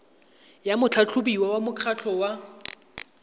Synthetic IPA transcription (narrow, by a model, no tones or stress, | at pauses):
jamʊt͡ɬʰat͡ɬʰʊbiwawamʊkʰat͡ɬʰɔwa